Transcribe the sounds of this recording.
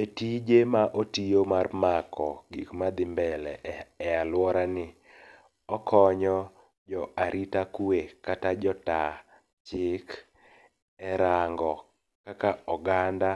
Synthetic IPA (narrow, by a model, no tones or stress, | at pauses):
etid͡ʒemaʔotijomarmakɔ̰ɡḭkmad̪ɪmbɛlɛ̰ɛalwɔɾanɪ | ɔkʰɔɲɔ | d͡ʒɔaɾʔitakuekatad͡ʒɔta | t͡ʃɪk | ɛɾaŋɡɔ | kakaɔɡanda